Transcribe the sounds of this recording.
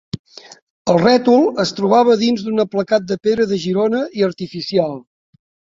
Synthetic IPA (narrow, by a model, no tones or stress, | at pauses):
əlˠrɛt̪ulˠəst̪ɾuβaβ̞əðinzd̪unəpləkat̪̚d̪əpeɾəðəʒiɾonəʔiəɾt̪ifisialˠ